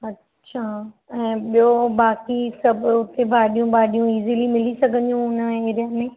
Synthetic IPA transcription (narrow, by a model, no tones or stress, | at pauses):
ɐtː | ɕʰaː | ɛ̃ːɓijobaːkisɐbʱʊt̪ebʱaːɗijũbaːɗijũiːzilimɪlisɐɡʱə̃njũʊnəeːɾijamẽː